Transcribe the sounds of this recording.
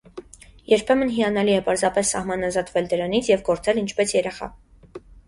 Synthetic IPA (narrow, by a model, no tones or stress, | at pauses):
jɛɾpʰɛmənɦiɑnɑliɛpɑɾzɑpɛsːɑ̰hmɑnɑzɑt̪vɛld̪əɾɑn̪it͡sʰjɛvɡɔɾt͡sɛlint͡ʃʰpɛsjɛɾɛχɑ̰